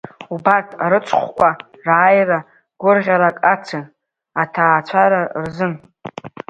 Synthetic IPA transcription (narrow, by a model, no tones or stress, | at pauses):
ubatʰa̰ɾɨt͡sʷʼʰχʷkʷa | raːjra | ɡ̥ʷʊrʁʲaɾakʼat͡sʰa | atʰaːt͡ʃʷʰaɾarzɨn